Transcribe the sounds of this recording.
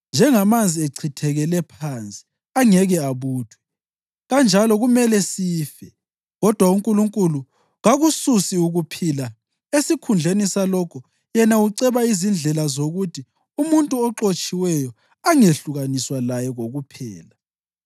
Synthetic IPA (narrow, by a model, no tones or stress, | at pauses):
nd͡ʒʱɛŋamand͡zʱieǀʰitʰɛɣɛlɛpʰant͡sʼi̥ | aŋɛɣɛaβuːtʰwɛ̥ | ɣand͡ʒʱalɔɣumɛlɛsiːfɛ | ɣɔd̥ʱwauŋkʼuluŋkʼulu | ɣaɣususiuɣupʰila | esikʰund͡ɮʱenisalɔkʰɔ | jɛnauǀɛβaizind͡ɮʱɛlazoɣutʰi | umuntʼuɔǁot͡ʃʼiwɛjɔ | aŋeɬuɣaniswalajɛɣoɣupʰɛːla